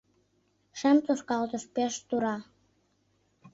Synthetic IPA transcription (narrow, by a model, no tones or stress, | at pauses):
ʃemt̪oʃkɑlt̪ə̆ʃpeʃt̪uɾɑ